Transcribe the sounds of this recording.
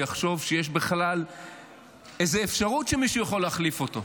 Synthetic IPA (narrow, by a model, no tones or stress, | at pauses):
aχʃo̞vʃejeʃ̬beχlal | ezeːfʃaʁutʃemiʃujeχo̞leaχlifoto̞